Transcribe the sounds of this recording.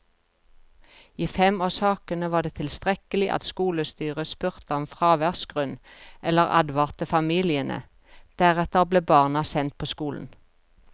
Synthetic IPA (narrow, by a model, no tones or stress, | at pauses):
iːfɛmɑːsɑːkənəʋɑːd̪eːt̪ʰɪlst̪ʁɛkəlɪʔɑ̰t̪skuːləst̪yːʁəspʉʁt̪əɔmfʁɑːʋæʁsɡ̥ʁʉnʔɛləʁɑ̰d̪ʋɑʁt̪əfɑmiːlɪənə̰ | d̪̥æʁɛt̪əʁbleːbɑːʁnɑsɛnt̪̚pʰoːskuːln̩